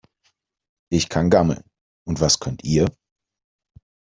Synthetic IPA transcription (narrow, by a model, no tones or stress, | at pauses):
ʔɪçkʰanɡaml̩n | ʔʊntv̥askʰœntʔiːɐ